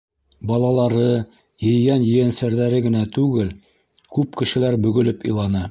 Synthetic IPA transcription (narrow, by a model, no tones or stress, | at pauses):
bɒlˠɑlˠɑɾɤ | jɘ̆jɡænjɘ̆jænsæɾðæɾɘɡɘ̆næt̪ʉɡɘl | kʉp̚kɘ̆ʃɘ̆læɾbɵ̆ɡɵ̆lɘpḭ̆jlˠɑnɤ